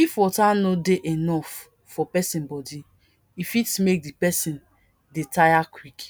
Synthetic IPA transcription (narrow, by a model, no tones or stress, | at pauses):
ifɔtanodeʔenɔfː | ɔpɛsĩnbɔdi | ifitmek̚dipɛsĩn | detajakwik